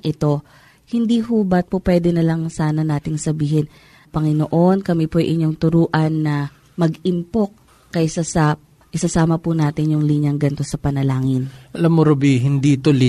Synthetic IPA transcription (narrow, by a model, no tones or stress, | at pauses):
ʔɪt̪o̞ | hɪnd̪iːɦubɐt̪̚popwɛd̪ɛnɐlɐŋsaːnɐnaːt̪ɪŋsɐbiːɦɛn | pɐŋɪnoʔo̞nkɐmipojʔɪɲoŋt̪ʊɾuːʔɐnːɐ | mɐɡɪmpok̚ː | ɐjsasɐ | ʔɪsɐsaːmɐpʊnaːt̪ɪɲjʊŋliːɲɐŋɡɐnt̪o̞sɐpɐnɐlaːŋɪnʔɐlamːoɾobiɦɪnd̪it̪olɪ